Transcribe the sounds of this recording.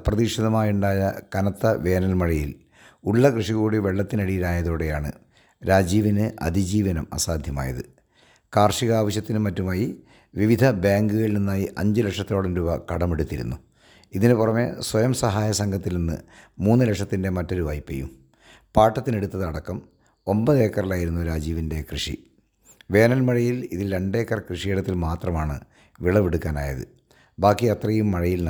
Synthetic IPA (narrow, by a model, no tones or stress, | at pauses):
prɐðiʂɐðɐmaːjuɳɖaːjɐkɐnɐt̪ːɐʋe̞ːnɐlmɐɻɐjil | uɭːɐkrɨʂiɣuːɽiʋe̞ɭːɐt̪ːinɐɽijilaːjɐðoːɽe̞jaːɳɨ | ɾaːd͡ʑiːʋinɨʔɐ̰d̪ʱid͡ʑiːʋɐnɐmɐ̰saːd̪ʱjɐma̰ːjɐ̰ðɨ | kaːrʂiɣɐaːʋɐɕjɐt̪ːinɨmɐtːumaːji | ʋiʋid̪ʱɐbaːŋɡɨɣɐɭininːaːjiʔɐɲd͡ʑɨlekʂɐt̪ːilo̞ːɽɐmɾuːbɐkɐɽɐmeɽut̪ːiɾṵnːu | iðinɨpurɐmeswɐjɐmsɐɦaːjɐsɐŋɡʰʱɐt̪ːilninːɨ̰muːnːɨlekʂɐt̪ːinde̞mɐtːo̞ɾuʋaːjipːejːṵm | paːʈːɐt̪ːine̞ɽut̪ːɐðɨɐɽɐkːɐm | o̞mbɐðe̞ːkːɐrilaːjiɾunːuoɾaːd͡ʑiːʋinde̞krɨʂḭ | ʋe̞ːnɐlmɐɻɐjiliðilɾe̞ɳɖe̞ːkːɐrkrɨʂieɽɐt̪ːilmaːt̪rɐmaːɳɨ̰ | ʋiɭɐʋiɽukːaːna̰ːjɐðɨ̰ | bʱaːkːijɐt̪rɐjumːɐɻɐjiln